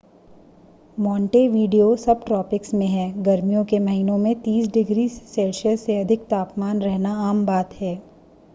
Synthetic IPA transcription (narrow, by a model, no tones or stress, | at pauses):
mɔ̃ːɳʈeʋiːɖijosɐb̚ʈɾɔːpɪksmẽɦɛːɡɐɾmijõkemɐɦiːnõmẽt̪iːsɖɪɡɾiːseːlʃəlseɐd̪ʱɪkt̪aːpmaːnɾɛɦnaaːmbaːt̪hɛː